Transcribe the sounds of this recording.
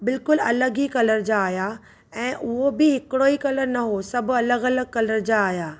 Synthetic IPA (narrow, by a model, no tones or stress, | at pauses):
bɪlkʊlɐləɡikɐləɾd͡ʑaːja | ɛ̃ːʔʊɦobɪɦɪkɪɽoːikɐləɾnɐɦosɐbʱʊ̆ɐləɡɐləɡ̚kɐləɾd͡ʑaːɦjaː